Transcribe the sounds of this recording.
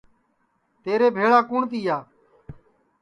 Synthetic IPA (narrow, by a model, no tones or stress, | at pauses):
t̪eːɾeːbʱeːɭaːkuːɳt̪iːjaː